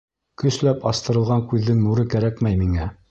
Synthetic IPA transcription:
kɵ̆slæpɑst̪ɤ̆ɾɤ̆lˠʁɑŋkʉðːɘŋnuɾɤkæɾækmæjmiŋæ

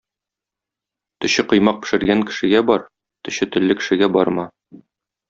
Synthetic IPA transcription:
t̪ɵ̆ɕɘqŏjmɑq̚pɘ̥̆ʃɘ̆ɾɡæŋkɘ̥̆ʃɘ̆ɡæbɒɾ | t̪ɵ̆ɕɘt̪ɘ̆lːɘkɘ̆ʃɘ̆ɡæbɒɾmɑ

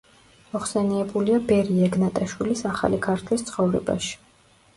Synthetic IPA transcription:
mɔχsɛniɛbuliabɛɾiɛɡnat̪ʼaʃwilisaχa̰likʰaɾt̪ʰlist̪sʰχɔvɾɛ̰ba̰ʃi̥

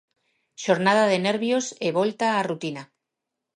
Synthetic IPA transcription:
ʃo̞ɾnað̞aðe̞ne̞ɾβjo̞seβ̞o̞lt̪aːrut̪ina

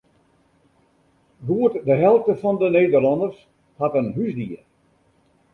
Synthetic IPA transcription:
ɡuətdəɦɛlˠftəfɔndəneːdərlɔndərs | hatənɦysdiər

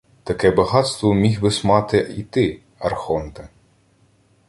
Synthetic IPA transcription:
t̪ɐkɛbɐɦɑt̪st̪ʋɔmʲixbɪsmɑt̪ɪit̪ɪ | ɐrxɔnt̪ɪ

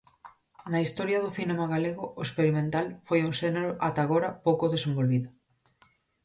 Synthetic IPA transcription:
naist̪oɾjað̞oθinemaɣaleɣ̞oʔoespeɾimẽnt̪alfojuŋʃeneɾoʔat̪aɣoɾapowkoðesembolβiðo

